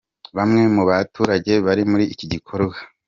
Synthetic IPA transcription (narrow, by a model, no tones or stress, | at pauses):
βamŋe̞muβatuːɾaɟe̞βaɾimuɾiːciɟikʰo̞ɾɡwa